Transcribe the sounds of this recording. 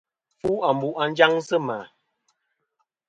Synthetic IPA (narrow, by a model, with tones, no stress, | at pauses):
fu˦a˨m˨bu˨ʔa˦n˦d͡ʒa˦ŋsə˦ma˨